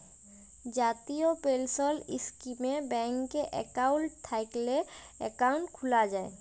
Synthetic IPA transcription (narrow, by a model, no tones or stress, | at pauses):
d͡ʒaːt̪iopelsɔlɪskimebɛ̃ŋkːeʔɛ̰kaʊɳʈt̪ʰajkle | ɛkaʊ̃ɳʈkʰʊlad͡ʒaːḛ